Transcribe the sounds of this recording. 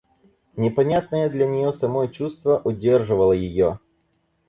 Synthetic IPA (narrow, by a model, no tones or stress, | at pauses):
nʲɪpɐnʲat̪̚nəjəd̪lʲɐnʲɪjosɐmot͡ɕust̪vəʔʊdʲerʐɨvəlˠəjɪjo